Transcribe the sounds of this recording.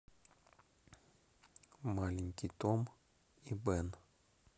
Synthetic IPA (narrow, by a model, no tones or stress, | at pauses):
malʲɪnʲkʲijt̪om | ibɛn